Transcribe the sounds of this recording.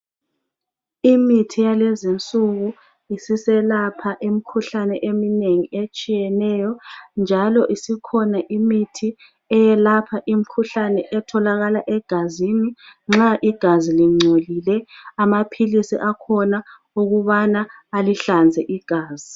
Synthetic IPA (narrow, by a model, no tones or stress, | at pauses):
imitʰijalezint͡sʼuɣu | isisɛlapʰaʔimikʰuɬanɛʔemineŋiet͡ʃʼijɛnɛjɔnd͡ʒʱalɔʔisikʰɔnaʔimitʰi | ɛjɛlapʰaʔim̩kʰuɬanɛʔɛtʰɔlaɣalaʔɛɡ̥ʱaziːniŋ͡ǁaʔiɡ̥ʱaziliŋ͡ǀʱolilɛamapʰilisḭʔakʰɔna | uɣuβanaaliɬand͡zʱɛʔiɡ̥ʱaːz̥i